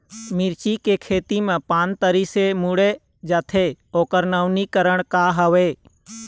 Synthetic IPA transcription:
mɪɾt͡ʃikekʰeːt̪imẽpaːnt̪əɾisemuɽe | d͡ʒaːt̪ʰeoːkəɾnəʊnikəɾəɳ̃kaɦəʋeː

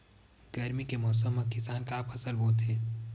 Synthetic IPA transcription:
ɡ̥ɐɾmikemɔːs̬əmːɐkɪsaːnkaːpʰɐsəlboːt̪ɦeː

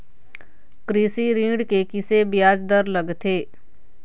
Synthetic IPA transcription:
kɾiːsiɾĩːɽkekɪsebjaːd͡ʒd̪ɐɾlɐɡt̪ʰeː

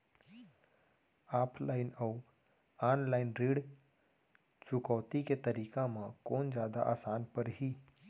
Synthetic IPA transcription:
aːpʰlaːɪnəu | aːnlaːɪnɾiːɽ | t͡ʃʊkɔːt̪iket̪əɾiːkãmãkoːnd͡ʒjaːd̪a̰ʔa̰ːsaːnpəɾɦiː

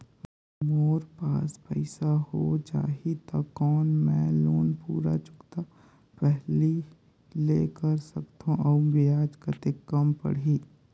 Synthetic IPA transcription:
moːɾpaːspɛɪsahod͡ʒa̰ːɦit̪ɐkɔːnmɛ̃loːnpuːɾa̰t͡ʃʊ̥kt̪a | pɛɦli | leːkəɾsɐkt̪ʰõʔɔːbɪjaːd͡ʒkət̪ekɐmpɐ̰ɽ̤iː

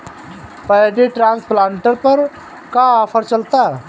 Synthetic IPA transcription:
pəjd̪eʈɾãːnsplãːɳʈəɾpəɾ | kaɔːpʰəɾt͡ʃɐlt̪a

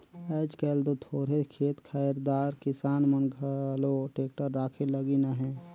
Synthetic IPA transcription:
ɛːd͡ʒkɛːld̪ot̪ʰoːɾekʰeːt̪kʰajəɾd̪aːɾkɪsaːnmənɡʱəloʈeːk̚ʈəɾːaːkʰeləɡinaɦɛ̃ː

